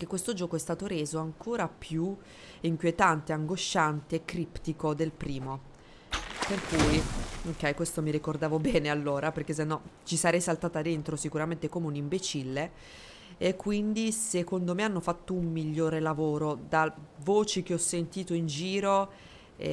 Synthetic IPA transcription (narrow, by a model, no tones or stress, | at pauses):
k̟ekːwest̪od͡ʒɔːkoɛst̪aːt̪oɾeːzoaŋkoːɾapʰju | iŋkwjet̪ant̪eaŋɡoʃːant̪eːkːɾipt̪ikod̪elpɾiːmo | perkuːjokːɛjkwest̪omiɾikord̪aːvobɛːnealːoːɾaperk̟es̬enːɔt͡ʃisaɾɛjsalt̪aːt̪ad̪ent̪ɾosikuɾament̪ekomeunimbet͡ʃilːe | ekːwind̪isekond̪omeanːofat̪ːoumːiʎːoːɾelavoːɾod̪avoːt͡ʃik̟eɔsːent̪iːt̪oind͡ʒiːɾo